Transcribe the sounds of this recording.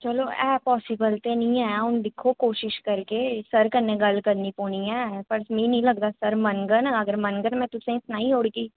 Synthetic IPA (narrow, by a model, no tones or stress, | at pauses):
t͡ʃɐloɛ̰ːpɔːsɪbəlt̪enɐĩɛãʊnd̪ɪkʰokoːʃɪʃkɐɾkesɐɾkɐɾnẽɡɐlkɐɾnipoːniɛːpɐɾsmẽnɐĩlɐɡd̪asɐɾmɐnɡənɐɡəɾmɐnɡənmɛ̃t̪ʊsẽɪt̪naːĩoːɽɡiː